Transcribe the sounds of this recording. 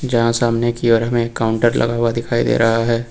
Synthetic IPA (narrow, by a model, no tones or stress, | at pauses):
d͡ʒɐɦãsaːmnekiɔːɾɦɐmẽkːaːʊ̃ɳʈəɾlʔɐ̰ɡaːwad̪ɪkʰaːid̪ḛːɾɐɦaɦɛː